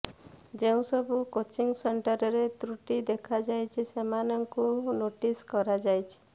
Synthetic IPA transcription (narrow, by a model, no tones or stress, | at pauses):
d͡ʒeũsɔbukot͡ʃiŋseɳʈɔɾɔɾet̪ɾuʈid̪ekʰad͡ʒajt͡ʃʰisemanɔŋkunoʈiskɔɾad͡ʒajt͡ʃʰi̥